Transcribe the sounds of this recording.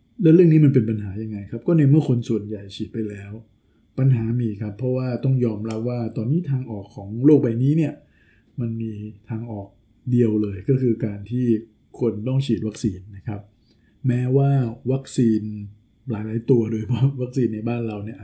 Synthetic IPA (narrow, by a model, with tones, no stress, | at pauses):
lɛ˦˥ɾɯ˥˩ŋniː˦˥ma˧np̬e˧npa˧nɦaː˩˦ja˧ŋːa˧jkʰa˦˥p̚kɔː˥˩na˧mɯ˥˩ɐkʰo˧nsu˨˩ənja˨˩jt͡ɕʰiː˨˩t̪̚pa˧jlɛː˦˥w | pa˧nɦaː˩˦miː˧˩kʰa˦˥pʰːɾɔ˦˥waː˥˩t̪ɔ˥˩ŋjɔː˧mɾa˦˥p̚waː˥˩t̪ɔː˧nːiː˦˥t̪ʰaː˧ŋʔɔː˨˩kʰːɔː˩˦ŋloː˥˩k̚ba˧jniː˦˥ni˥˩ɐə | ma˧nmiː˧t̪ʰaː˧ŋʔɔː˨˩k̚ | di˧əwlɤː˧jkɔː˥˩kʰɯː˧kaː˧nt̪ʰiː˥˩ | kʰo˧nt̪ɔ˥˩ŋt͡ɕʰiː˨˩t̪̚wa˦˥k̚siː˧nːa˦˥kʰa˦˥p̚ | mɛː˦˥waː˥˩wa˦˥k̚siː˧n | laː˨˩˦jlaː˨˦jt̪u˧ɐdoː˧jpʰɔ˦˥˩wa˦˥k̚siː˧nːa˧jbaː˥˩nɾa˧wni˥˩ɐ